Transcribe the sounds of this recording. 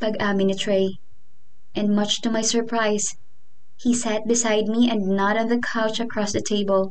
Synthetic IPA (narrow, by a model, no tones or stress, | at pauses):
pɐɡamɪ̃nɨt̪ʰɹeɪ | ʔɛ̃ndmʌt͡ʃt̪umajsə˞pɹaɪs | hisæt̪̚bɪsaɪd̪̚miɛ̃ndnaɾɔ̃nðəkʰaʊt͡ʃɐkʰɹɔsðətʰeɪbəlˠ